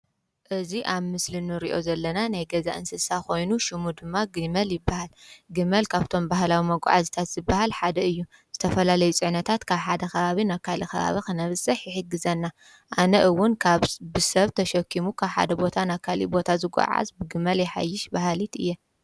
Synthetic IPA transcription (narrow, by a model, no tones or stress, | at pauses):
ʔɨziʔaβmɨslinɨɾiʔo̞zɐlːɐnanajɡɐza̰ʔɨnsɨsako̞jnuʃɪmud̪ɨmːaɡɨmɐljɪbːahalɡɨmɐlkʰaβt̪ʰo̞mbahlawimɐɡ̰ʷʼʕazit̪ʰat̪z̥ɨbːahalħad̪ɐɨjːu | z̥ɨt̪ʰɐfɐlalɐjut͡sʼɨʕnɐt̪ʰat̪kʰaβħad̪ɐkɐβaβinakʰalikɐβa̰βikɨnɐβsʼɐħjɪħɨɡːɨzɐnːa | ʔanɐʔɨwːʊnkʰaβbɨsɐβt̪ʰɐʃɐkʰːimukʰaβħa̰d̪ɐbo̞t̪ʰanakʰːalḭbo̞t̪ʰazɨɡʷa̰ʕa̰zbɨɡɨmɐljɛħa̰jːɪʃbaɦalit̪ɨ̰jːɛ